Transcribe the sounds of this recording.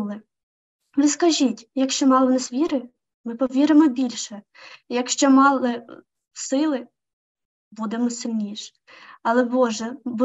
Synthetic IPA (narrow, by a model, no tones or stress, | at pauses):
lˠɪ | lɪskɐʒʲitʲjɐkʃt͡ʃɔmɑlˠɔwnɑsʋʲiɾɪ | mɪpɔʋʲiɾɪmɔbʲilʲʃɛ | jɐkʃt͡ʃɔmɑlˠɪ | sɪlˠɪ | bud̪ɛmɔsɪlʲnʲiʃ | ɐlˠɛbɔʒɛb